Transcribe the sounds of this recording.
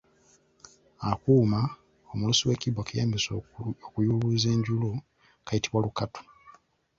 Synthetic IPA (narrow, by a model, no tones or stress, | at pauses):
akuːma | omulusiwe̞ːcibwakijaːmbisokujuluːze̞ːɲɟulo | kajitiβwalukato̥